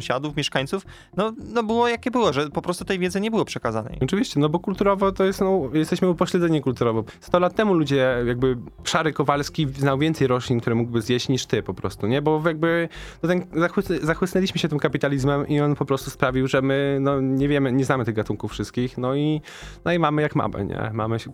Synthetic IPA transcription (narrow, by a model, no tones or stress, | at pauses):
w̃ɕad̪ufmʲjɛʂkaɲʲt̪suf | nɔnɔbɘwɔjakʲɛbɘwɔʐɛpɔpɾɔst̪u̥t̪ɛjvʲjɛd̪zɛɲɛbɘwɔpʂɛkaza̰nɛ̰jɔt͡ʂɘvʲiɕt͡ɕɛnɔbɔkult̪uɾɔvɔt̪ɔjɛst̪nɔjɛst̪ɛɕmɘupɔɕlɛd̪zɛɲɛkult̪uɾɔvɔst̪ɔlat̪ːɛmulud͡ʑɛjaɡ̚bɘpʂaɾɘkɔvalskʲiznawvʲjɛnt̪sɛjɾɔɕlʲinkt̪uɾɛmuɡbɘzjeɕt͡ɕɲiʂt̪ɘpɔpɾɔst̪uɲɛbɔjaɡ̚bɘnɔt̪ɛnzaxwszaxwɘsnɛlʲiɕmɘɕɛt̪ɘmkapʲit̪alʲizmɛmʔiɔnpɔpɾɔst̪uspɾavʲiwʐɛmɘnɔɲɛvʲjɛmɘɲɛznamɘt̪ɘɣɡat̪uŋkufʂɘst̪̚kʲixnɔi | nɔimamɘjakma̰mɘ̰ɲɛ̰ma̰mɘ